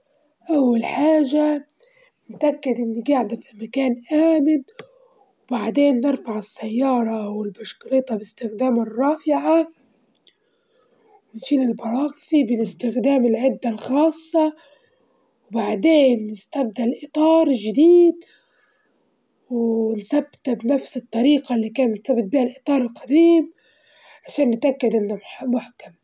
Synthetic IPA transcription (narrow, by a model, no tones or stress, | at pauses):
ʔawːalħaːʒa | nɪt̪ʔakːad̪ʔɪnːiɡaʕd̪afimakaːnʔaːmɪn | wbaʕd̪eːnːɪɾfaʕɪsːajːɑːɾˤɑʔwɪlbaʃklɪt̪ˤɑbɪst̪ɪxd̪aːmɪrˤːɑːfɪʕa | wɪnʃiːlɪlbɑɾˤɑːqθibɪlɪst̪ɪxd̪aːmɪlʕɪd̪ːalxɑːsˤːɑ | wbaʕd̪eːnːɪst̪abd̪alʔɪt̪ˤɑːɾˤʒɪd̪iːd̪ | wnsabːt̪abnafsɨt̪ˤːɑɾiːqɑlːikaːnmt̪sabːɪt̪̚biːʔalʔɨt̪ˤɑːɾˤɪlqad̪iːm | ʕaʃeːnːɪt̪ʔakːad̪ʔɪnːamħmʊħkam